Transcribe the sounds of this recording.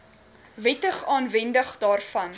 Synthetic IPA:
vɛtəχɑːnvɛndəχdɑːrfɐn

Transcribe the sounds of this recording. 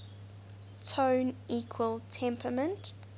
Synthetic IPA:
tʰõːnikʰwəlˠtʰɛ̃mpʰəmə̃nt

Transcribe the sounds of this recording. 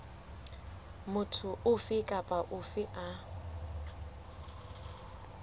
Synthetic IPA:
mʊtʰʊʊfɪkʼapʼaʔʊfɪʔa

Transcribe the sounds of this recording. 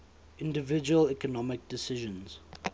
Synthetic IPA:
ɪ̃ndəvɪd͡ʒuəlɛkɔnɔmɪk̚dɪsɪʒə̃nz̥

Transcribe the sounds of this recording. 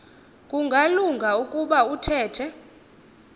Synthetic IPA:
kʼuŋɡʱaluŋɡʱaukʼuɓautʰɛːtʰɛ

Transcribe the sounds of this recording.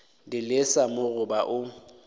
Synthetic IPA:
dɪlɪsamʊɣʊbaʔʊ

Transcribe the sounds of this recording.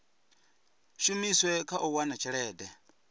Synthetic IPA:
ʃumiswɛkaʔuwanat͡ʃʰiɺɛːdɛ

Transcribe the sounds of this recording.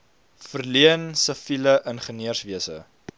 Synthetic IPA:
fərliənsəfiləʔənχəniərsviəsə̰

